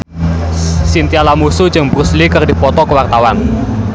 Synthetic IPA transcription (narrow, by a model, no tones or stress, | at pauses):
sint̪ialamusu̥d͡ʒɨŋbɾuslikɨrdipɔt̪ɔkəwart̪awan